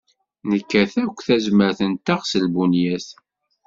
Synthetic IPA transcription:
nəkːæθækʷːθæzməɾθənt̪aʁsəlbunjæθ

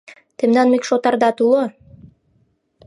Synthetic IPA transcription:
t̪ɘmnɑnmikʃot̪ɑɾd̪ɑt̪ulˠo

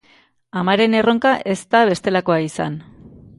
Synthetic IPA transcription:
amaɾe̞ne̞ro̞ŋkaʔe̞st̪aβe̞st̪e̞lako̞aisa̰n

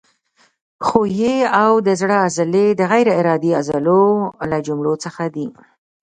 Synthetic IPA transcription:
xojeawd̪əzɽəazled̪əɣajɾɪɪɾɑd̪iazəlolad͡ʒʊmɽot͡səxad̪i

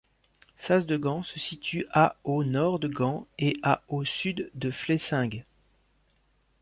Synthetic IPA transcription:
sazd̪əɡɑ̃səsit̪ʰyʔaonɔʁd̪əɡɑ̃eʔaosyd̪ːəflesɛ̃ɡ

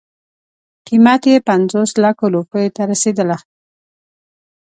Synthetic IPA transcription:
qimat̪jepanzoslakoɾupəjet̪aɾased̪əla

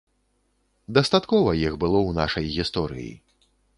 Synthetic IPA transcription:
d̪ɐst̪at̪kɔvɐjixbɨlˠɔwna̰ʂɐjɣʲist̪ɔɾɨ̰jḭ

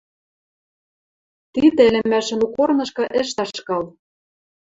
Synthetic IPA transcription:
t̪id̪ɘ̆ɘ̆lʲɘ̆mːæʃɘ̆nukornɤ̆ʃkɤ̆ʔĕʃ̬t̪ɑʃkɑl

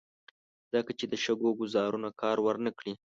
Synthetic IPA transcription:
z̥əkat͡ʃed̪əʃəɡoɡʊzɑɾunakɑɾwəɾnəkɽi

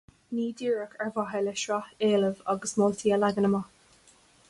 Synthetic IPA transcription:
niːd̪iːɹəkʰɛɹvaɦəlɛʃɹaeːləvaɡəsmoːlt̪ʰiːəlaɡənəma

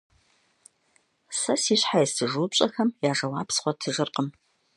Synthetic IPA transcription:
sɐsiːɕħajɛstʰɨʒuːpʼɕʼɐxɐmjaːʒɐwɑːpsχʷɔtʰɨʒɨrqəm

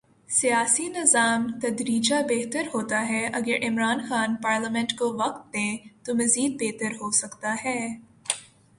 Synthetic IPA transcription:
sijaːsinɪzaːmt̪ɐd̪ɾiːd͡ʒabɛɦt̪əɾɦoːt̪aɦɛʔɐɡəɾʔɪmɾaːnxaːnpaːɾləmɛ̃ɳʈkoʋɐq̚t̪̚d̪ẽt̪omɐziːd̪̚beːt̪əɾɦosɐkt̪aɦɛː

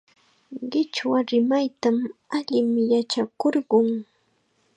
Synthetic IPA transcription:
ɢɪt͡ʃwaɾɪmajt̪amaʎɪmɪjat͡ʃakoɾɢʊŋ

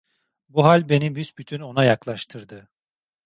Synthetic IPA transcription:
buɦalʲbe̞nibysbyt̪ʰyno̞najaklˠaʃt̪ʰɯɾd̪ɯ

